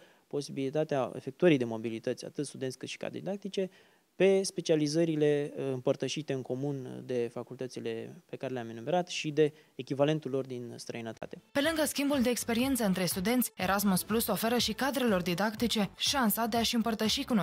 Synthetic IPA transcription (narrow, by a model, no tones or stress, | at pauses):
po̞sibilit̪at̪eaḛfe̞k̚t̪uəɾijd̪e̞mo̞bilit̪ət̪sʲa̰t̪ɨt̪st̪ud̪ensʲkɨt̪ʃi̥ka̰d̪ɾḛd̪id̪ak̚t̪it͡ʃe̞ | pe̞spe̞t͡ʃializəɾile̞ɨmpərt̪əʃit̪e̞ɨŋko̞mund̪e̞fakult̪ət̪sile̞pe̞kaɾe̞leaminume̞ɾat̪ʃid̪e̞ː | kʲivale̞nt̪ulo̞rd̪inst̪ɾəinət̪a̰t̪e̞pe̞lɨŋɡəskʲimbuld̪e̞ːkspe̞ɾie̞nt̪səɨnt̪ɾe̞st̪ud̪e̞nt̪sʲeɾʔasmuspluso̞fe̞ɾəʃikad̪ɾe̞lo̞rd̪id̪akt̪it͡ʃe̞ʃansad̪e̞aʃɨmpərt̪əʃikuno